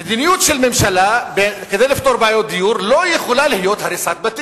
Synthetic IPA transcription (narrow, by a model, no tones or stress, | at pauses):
med̪inijut̪ʃelmemʃalabeked̪ejlift̪oɾbajod̪ijuɾlojeχulalihjo̞t̪haɾisat̪̚bat̪i